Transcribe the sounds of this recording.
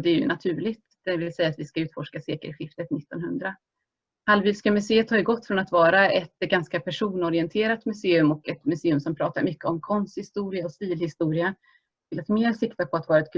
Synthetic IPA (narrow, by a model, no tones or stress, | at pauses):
d̪ɛːjɵ̰nʔat̪ʰʉ̟ːɭɪɡt̪d̪̥ɛvɪlsɛjːaːt̪vɪskaʉ̟ːt̪fɔʂkaseːkə̰ɾɧɪft̪ət̪nɪt̪ːɔnhɵnd̪ɾa | halviːlskamɵseːət̪ʰɑːɪɡɔt̪ːfɾɔnat̪vɑːɾaɛt̪ɡanskapʰæʂuːnɔɾɪɛnt̪ʰeːɾat̪mɵseːɵmɔkɛt̪mɵseːɵmsɔmpʰɾɑːt̪aɾmʏkːəɔmkʰɔnst̪hɪst̪uːɾɪaɔst̪iːlhɪst̪uːɾɪa | ɪlat̪meːɾsɪkt̪apʰɔat̪vɑːɾaɛt̪kʰ